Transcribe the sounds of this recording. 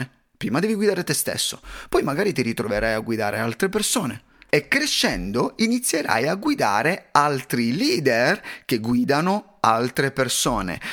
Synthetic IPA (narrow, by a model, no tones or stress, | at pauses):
e | pɾiːmad̪ɛːviɡwid̪aːɾet̪est̪ḛsːo̰pɔjmaɡaːɾit̪iɾit̪ɾoveɾajaɡːwid̪aːɾḛalt̪ɾepersoːnḛ | ekːɾeʃːɛnd̪oinit̪sːjeɾa̰jaɡwid̪a̰ːɾealt̪ɾiliːd̪erk̟eɡːwiːd̪ano | alt̪ɾepersoːnḛ